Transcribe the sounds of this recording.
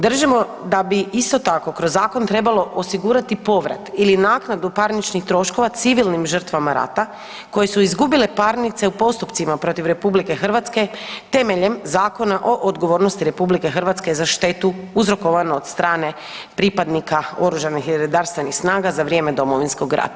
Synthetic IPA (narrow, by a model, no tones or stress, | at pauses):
d̪r̩ʒimo̞ | d̪abiist̪o̞t̪ako̞kɾozːaːko̞nt̪ɾe̞balo̞ʔosiɡuːɾat̪ipo̞ʋɾa̰t̪ilinaːknad̪upaɾnit͡ʃnixt̪ɾo̞ʃko̞ʋat̪siʋilnimʒər̩t̪ʋamaɾa̰t̪a | ko̞je̞suizɡubile̞paɾnit̪se̞upo̞st̪upt̪simapɾo̞t̪iʋɾe̞publike̞xərʋat̪ske̞t̪e̞meʎemzaːko̞naʔo̞ʔod̪ɡo̞ʋo̞ːɾnost̪iɾe̞publike̞xrʋat̪ske̞zaʃt̪e̞t̪uuzɾo̞ko̞ʋanoːd̪st̪ɾaːne̞ | pɾipad̪nikao̞ɾuʒanixeɾod̪aɾst̪ʋe̞nixsnaːɡazaʋɾjeːme̞d̪o̞moʋinsko̞ɡɾa̰t̪